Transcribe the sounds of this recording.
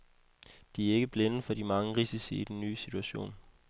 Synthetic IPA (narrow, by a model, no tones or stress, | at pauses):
d̥iæɐe̝ɡ̥əb̥lenəəfɒ̽dimɑ̈ŋəʁisisḭid̥enːy̰ːsit͡sʰuæɕo̝̰ːn